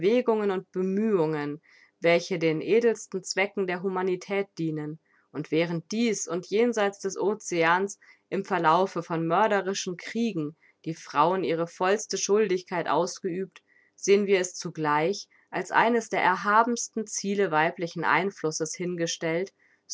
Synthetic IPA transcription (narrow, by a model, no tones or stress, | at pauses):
veːɡʊŋənʊnt̚b̥əmyːʊŋən | vɛlçədeːnʔeːdl̩stn̩t͡sv̥ɛkŋ̩deːɐɦumanitʰɛːt̚d̥iːnən | ʔʊntv̥ɛːʁ̞ənt̚d̥iːsʊntjeːnzaɪt͡sd̥ɛsʔoːt͡seaːns | ʔɪmfɛɐlaʊfəfɔnmœɐɾəʁɪʃn̩kʁ̥iːɡŋ̩ | d̥iːfʁ̥aʊənʔiːʁ̞əfɔlstəʃʊldɪçkʰaɪtʔa̰ʊsɡ̥əyːp̚t | z̥eːənviːɐɛst͡suɡlaɪç | ʔalsʔa̰ɪnəsd̥eːɐʔɛɐɦaːbm̩stn̩t͡siːləvaɪplɪçn̩ʔa̰ɪnflʊsəshɪnɡəʃtɛlt